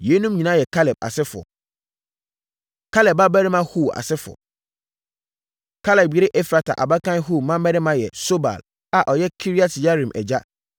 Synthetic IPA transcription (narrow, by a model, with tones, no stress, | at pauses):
je˨˦nũ˦mɲĩ˨nã˦jɛ˨kʰa˦lɛ˨b̚a̰˨sɪ˦fʊ˨ɔ̰˨ | kʰa˦lɛ˨ba˦bæ˦ɾi˦mã˦huː˦˨a̰˨sɪ˦fʊ˨ɔ̰˨ | kʰa˦lɛ˨bi˨˦ɾɪ˦ʔɛ˦fɾa˨tʰa̰˨ʔa̰˨ba˦kã˦n˦ɦu˦˨mã˦mɛ˦ɾɪ˦mã˦jɛ˨so˦ba̰˨l | a˨ʔɔ˨jɛ˦kʰi˦ɾi˦a˦tʰja˦ɾĩ˨mʔɛ̰˨d͡ʑa˦